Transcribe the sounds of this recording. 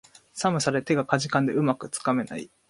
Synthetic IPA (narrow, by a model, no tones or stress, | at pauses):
samɯ̟saɾe̞t̪e̞ɡakaʑikãnd̪e̞ɯ̟makɯ̟t͡sɨ̥kame̞na̰ḭ